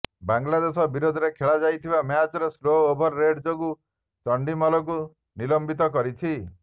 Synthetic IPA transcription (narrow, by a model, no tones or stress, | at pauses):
baŋɡlad̪esɔbiɾod̪ʱɔɾekʰeɭad͡ʒajt̪ʰibamjat͡ʃɔɾesloːbʱɔɾːeɖd͡ʒoɡu | t͡ʃɔɳɖimɔlɔk̬u | nilɔmbit̪ɔk̬ɔɾit͡ʃʰi